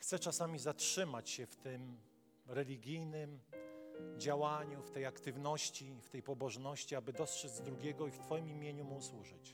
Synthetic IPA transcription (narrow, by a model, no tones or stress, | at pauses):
xt̪sɛt͡ʂasamʲizatʂɘmat͡ɕɕɛft̪ɘm | ɾɛlʲiɡʲijnɘm | d͡ʑawaɲuft̪ɛjakt̪ɘvn̪ɔɕt͡ɕift̪ɛjpɔbɔʐnɔɕt͡ɕiabɘd̪ɔstʂɛd͡z̪zd̪ɾuɡʲɛɡɔift̪fɔjimimʲjeɲumuswuʐɘt͡ɕ